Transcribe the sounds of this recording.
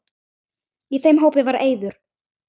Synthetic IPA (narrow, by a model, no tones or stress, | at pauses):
iθejmɦoːwpɪvaɾeːjðʏɾ̥